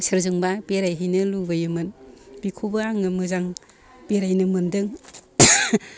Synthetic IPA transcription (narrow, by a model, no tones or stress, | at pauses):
sɯɾzɯŋbapeɾajɦɯjnɯlubajɯmɯnb̥ikʰubaaŋɯmɯzaŋ | peɾajnɯmɯndɯŋ